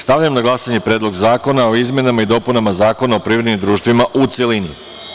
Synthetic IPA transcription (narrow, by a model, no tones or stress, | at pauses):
st̪aʋʎamnaɡlˠasaɲe̞pɾe̞ːd̪lo̞ɡzaːko̞nao̞izme̞namaid̪o̞ːpunamazaːko̞nao̞pɾiːʋɾed̪nimd̪ɾuːʃt̪ʋimaʔut̪selini